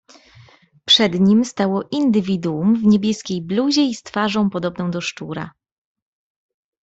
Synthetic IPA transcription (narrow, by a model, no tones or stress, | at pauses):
pʂɛd̪ɲimst̪awɔʔind̪ɘvʲid̪uumvɲebʲjɛskʲejbluʑɛist̪faʐɔ̃w̃pɔd̪ɔbnɔ̃w̃d̪ɔʂt͡ʂuɾa̰